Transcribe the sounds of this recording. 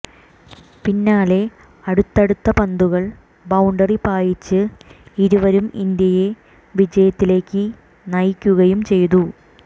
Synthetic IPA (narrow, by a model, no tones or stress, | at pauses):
pinːaːle̞ | ɐɽut̪ːɐɽut̪ːɐpɐnd̪uɣɐɭ | bɐwuɳɖɐripaːjit͡ɕːɨiɾuʋɐɾumind̪jɐje | ʋid͡ʑɐjɐt̪ːile̞ːkʲːɨ | nɐjkʲːuɣɐjumt͡ɕe̞jt̪u